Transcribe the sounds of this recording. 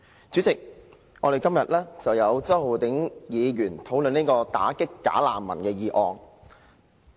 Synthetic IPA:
t͡syː˨˥t͡sɪ˨k̚ | ŋʔɔː˨˧ɾe˨jkɐ˥mjɐ˨t̚lɛː˥t͡sɐ˨wjɐ˨˧wt͡sɐ˥who˨wt̪ɪ˨˥ŋjiː˨˧jyː˨˩nt̪ʰo˨˥wlɵ˨niː˥kɔː˧t̪a̰ː˨˥kɪ˥kːa̰ː˨˥la̰ː˨mːɐ̰˨˩nkɛː˧jiː˨˧ʔɔː˨ŋ

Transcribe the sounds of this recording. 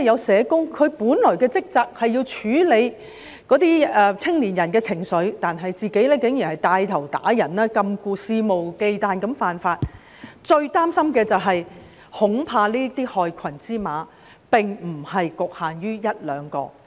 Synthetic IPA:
jɐ˨˧wsɛː˨˧kʊ˥ŋkʰɵ˨˧ɥpuː˨˥nlɔː˨˩jkɛː˧t͡sɪ˥k̚t͡saː˨˧k̚hɐ˨jːiː˧wt͡ʃʰyː˨˥le˨˧j | kɔː˨˥t̪iː˥ɛ˧t͡sʰɪ˥ŋliː˨˩njɐ˨˩nkɛː˧t͡sʰɪ˨˩ŋsɵ˨˧ɥt̪aː˨nɦɐ˨jt͡siː˨ke˨˥jlɛː˥kɪ˨˥ŋjyː˨˩hɐ˨˩jt̪aː˧jt̪ʰɐ˨˩wt̪a̰ː˨˥jɐ˨˩naː˥kɐ˧mkuː˧siː˧mo˨wke˧jt̪aː˨nkɐ˨˧˥mfaː˨nfaː˧t̚ | t͡ʃɵ˧ɥt̪aː˥msɐ˥mkɛː˧t͡sɐ˨wɦɐ˨j | hʊ˨˥ŋpʰaː˧liː˥t̪iː˥hɔː˨˧jkʰɐ˨˩nt͡siː˥maː˨˧ | pɪ˨ŋm̩˨˩hɐ˨jkʊ˨k̚haː˨njyː˥jɐ˥t̚lœː˨˧ŋkɔ̰ː˧

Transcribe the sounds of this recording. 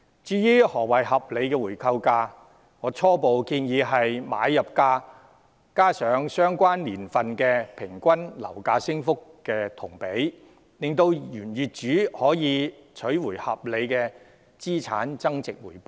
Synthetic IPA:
t͡ʃyː˨˧jyː˥hɔː˨˩wɐ˨˩jɦɐ˨p̚le˨˧jkɛː˧wuː˨˩jkʰɐ˧wkaː˧ | ŋɔː˨˧t͡sʰɔː˥po˨wkiː˧njiː˨˧ɦɐ˨jma̰ː˨˧˥jːɐ˨p̚kaː˧ | kaː˥sœː˨˧ŋsœː˥ŋkʷaː˥nliː˨˩nfɐ˨nkɛː˧pʰɪ˨˩ŋkʷɐ˥nlɐ̰˨˩wkaː˧sɪ˥ŋfʊ˥kːɛː˧t̪ʰʊ˨˩ŋpe˨˥j | lɪ˨ŋt̪o˧wjyː˨˩njyː˨t̚t͡ʃyː˨˥hɔː˨˥jiː˨˧t͡ʃʰɵ˨˥ɥwuː˨˩jhɐ̰˨p̚le˨˧jkɛː˧ | t͡siː˥t͡sʰa̰ː˨˥nt͡sɐ˥ŋt͡sɪ˨k̚wuː˨˩jpo˨˦

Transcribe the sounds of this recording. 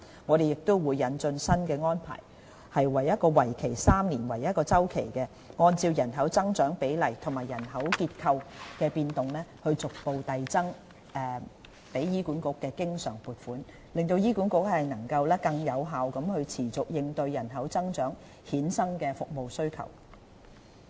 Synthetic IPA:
ŋɔː˨˧ɾe˨jɪ˨k̚t̪ʊ˥wwuː˨˧jːɐ˨˧nt͡ʃt͡sɵ˧nsɐ˥nkɛː˧ŋɔː˥npʰa̰ː˨˩j | hɐ˨jwɐ˨˩jɐ˥t̚kɔː˧wɐ˨˩jkʰe˨˩jsaː˥mniː˨˩nwɐ˨˩jɐ˥t̚kɔː˧t͡sɐ˥wkʰḛ˨˩jkɛː˧ | ŋɔː˧nt͡siː˧wjɐ˨˩nɦɐ˨˥wt͡sɐ˥ŋt͡ʃœː˨˥ŋpe˨˥jlɐ˨˩jt̪ʰŋmaː˨˩jɐ˨˩nɦɐ˨˥wkiː˧t̚kʰɐ˧wkɛː˧piː˧nt̪ʊ˨ŋlɛː˥hɵ˧ɥt͡sʊ˨k̚po˨˧wt̪ɐ˨jt͡sɐ˥ŋ | ɛː˨˧ | pe˨˥jjiː˥kuː˨˥nkʊ˨˥kːɛː˧kɪ˥ŋsœ̰ː˨˩ŋpuː˨˩t̚fuː˨˥n | lɪ˨ŋt̪o˧wjiː˥kuː˨˥nkʊ˧˥k̚hɐ˨jnɐ˨˩ŋkɐ˧wlɛː˥kɐ˧ŋjɐ˨˧wɦaː˨wkɐ˨˥mhɵ˧ɥt͡sʰiː˨˩t͡sʊ˨k̚jɪ˨˧ŋt̪ɵ˧ɥjɐ˨˩nɦɐ˨˥wt͡sɐ˥ŋt͡ʃœː˨˥ŋ | hiː˨˥nsɐ˥ŋkɛː˧fʊ˨k̚mo˨wsɵ˥ɥkʰɐ̰˨˩w

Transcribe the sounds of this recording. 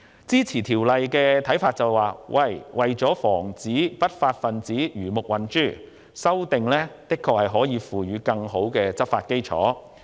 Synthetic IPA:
t͡siː˥t͡sʰiː˨˩t̪ʰiː˨˩wlɐ˨jkɛː˧t̪ʰɐ˨˥jfaː˧t̚t͡sɐ˨˩wwaː˨wʔɐ˨˩jwɐ˨jt͡sɔː˨˥fɔː˨˩ŋt͡siː˨˥pɐ˥t̚faː˧t̚fɐ˨nt͡siː˨˥jyː˨˩mʊ˨k̚wɐ˨nt͡ʃyː˥˩ | sɐ˥wt̪ɪ˨ŋlɛː˥t̪ɪ˥kʰːɔː˧k̚hɐ˨˩jɦɔː˨˥jiː˨˧fuː˨ɥyː˨˧kɐ˧ŋɦo˨˥wkɛː˧t͡sɐ˥p̚faː˧t̚ke˥jt͡sʰɔ̰ː˨˥

